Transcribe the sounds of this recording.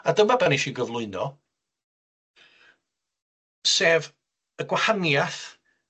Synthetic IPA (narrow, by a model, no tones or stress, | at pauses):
adəmabɛniʃiɡəvlˠʊɨnɔ | seːv | əɡwahanjaθ